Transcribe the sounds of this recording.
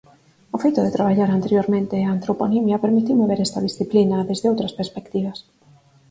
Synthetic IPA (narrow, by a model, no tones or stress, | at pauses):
ʊfejt̪ʊðet̪ɾaβ̞aʎaɾant̪eɾjoɾmẽnt̪eaːnt̪ɾoponimjapeɾmit̪iwmoβeɾɛst̪ɐðisθiplinɐðezðeowt̪ɾɐspeɾspekt̪iβɐs